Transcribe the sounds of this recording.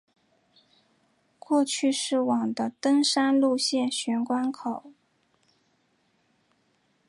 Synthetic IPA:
kwɔ˥˧t͡ɕʰy˥˧ʂɻ̩˥˩wɑ˨˩ŋd̪ə˦t̪ɤ˥ŋʂa˥nlu˥˧ɕjɛ˥˩nɕɥɛ˧˥nkwa˥nkʰo˨˩˦ʊ

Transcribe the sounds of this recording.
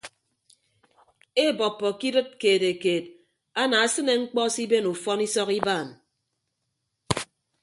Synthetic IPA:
e˦˨bɔ˨pːɔ˨ki˦dɨ˦t̚keː˨te˨keː˨t̚ | a˦na˨a˦sɨ˦ne˨ŋ͡m̩˦k͡pɔ˦si˦be˦nu˨fɔ˦ni˦sɔ˦ki˦baː˦˨n

